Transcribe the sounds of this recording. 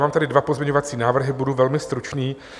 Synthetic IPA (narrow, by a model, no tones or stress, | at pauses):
maːmt̪adɪdvapozmɲeɲo̞vat͡siːnaːvr̩ɦɪbuduvɛlmɪst̪ɾut͡ʃniː